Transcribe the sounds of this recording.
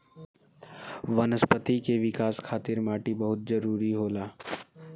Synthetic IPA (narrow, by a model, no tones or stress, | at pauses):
ʋɐnəspət̪ikeʋɪkaːskʰaːt̪ɪɾmaːʈibɐɦʊt̪̚d͡ʒɐɾuːɾiɦoːlaː